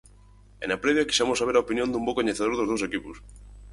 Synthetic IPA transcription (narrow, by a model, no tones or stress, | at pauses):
ḛnapɾeβjaki̥samosaβ̞eɾaopinjond̪umbokoɲeθeð̞oɾðozðows̬ekipos